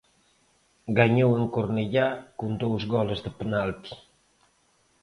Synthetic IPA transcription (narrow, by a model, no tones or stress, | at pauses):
ɡaɲoweŋkoɾneʎakund̪owzɣɔləzd̪əpenalt̪i̥